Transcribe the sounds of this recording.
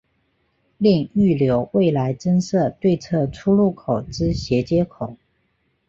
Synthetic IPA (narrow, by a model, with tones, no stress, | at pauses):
li˥˧ŋy˥˩ljo˧˦˥ʊwe˥˩ɪla˧˥ɪʈ͡ʂə˥nsɤ˥˧t̪we˥˧ɪt͡sʰɤ˥˩ʈ͡ʂʰu˥lu˥˩kʰo˨˩ʊʈ͡ʂɻ̩˥ɕjɛ˧˥t͡ɕjɛ˥kʰʊ˨˩˦